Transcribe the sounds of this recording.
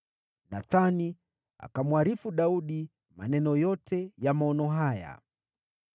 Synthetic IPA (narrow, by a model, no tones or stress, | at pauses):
naθani | a̰kamwaɾifuɗauɗi | ma̰nɛnɔjɔtʰɛjamaɔnɔɦaja̰